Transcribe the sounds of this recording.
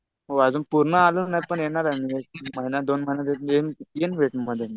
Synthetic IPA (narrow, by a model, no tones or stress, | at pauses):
ɦoad͡zuːnpuɾɳəalənajpəɳjeɳaɾaniɡet̪iməɦinad̪onməɦinat̪eenenʋeʈməd̪ʱjeni